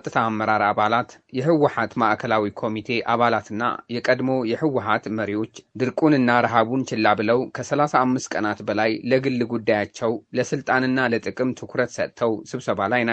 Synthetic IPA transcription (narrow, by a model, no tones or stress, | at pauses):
t̪ʼːɨt̪ʰaːmːəɾaɾaβalat̪jɛhɨwːʊħat̪maʔkʰəlawikʰo̞mit̪ʰe̞ʔaβalat̪ʰɨnːa̰jɛkʼəd̪mo̞jɛhɨwːħat̪məɾijo̞t͡ʃːd̪ɨɾkʼunɨnːaɾɨɦaβunt͡ʃɪlːabɨləwkʰəsəlasaːmːɨst̪̚kʼənat̪bəlajləɡɨlːɨɡud̪ːajat͡ʃːɛwləsɨlt̪ʼanɨnːalət̪ʼɨkʼɨmt̪ʰɨkʰɾət̪sə̰t̪t̪ʰːəwsɨβsəβalajna